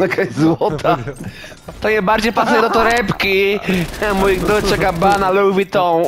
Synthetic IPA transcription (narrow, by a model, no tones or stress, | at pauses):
akʰazwɔt̪ʰa | t̪ɔɲɛbaɾd͡ʑejpasujɛd̪ɔt̪ɔɾɛpkʲi | mujd̪ɔt͡ʃɛkabanaluwvʲit̪ɔ̃